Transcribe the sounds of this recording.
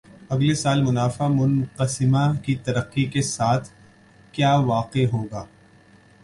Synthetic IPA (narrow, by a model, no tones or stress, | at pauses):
ɐɡlesaːlmʊnaːfamʊnqəsɪmakit̪ɐɾəqːikesaːt̪ʰ | kjaːʋaːqeɦoːɡaː